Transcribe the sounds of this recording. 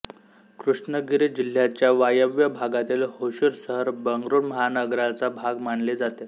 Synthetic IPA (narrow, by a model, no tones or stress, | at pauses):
kɾuʂnəɡiɾid͡ʑil̤jat͡ɕjaʋajəʋjəbʱaɡat̪iːlhoɕuɾsəɦəɾbəŋɡɾuːnməɦanəɡɾat͡sabʱaɡmaɳled͡zat̪e